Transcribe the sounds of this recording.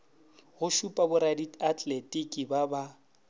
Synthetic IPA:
ɣʊʃupʼabʊɾadiatʼletʼikʼibaba

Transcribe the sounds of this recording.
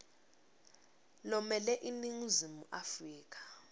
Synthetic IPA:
lɔmɛlɛʔiniŋ̩zimuʔafriːk̬ʼḁ

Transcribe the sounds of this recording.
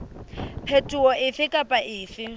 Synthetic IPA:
pʰetʼuwɔʔɪfɪkʼapʼaʔɪːfɪ

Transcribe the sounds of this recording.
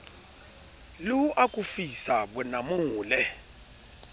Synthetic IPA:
luʔakʼufisaɓɛnamuːlɛ

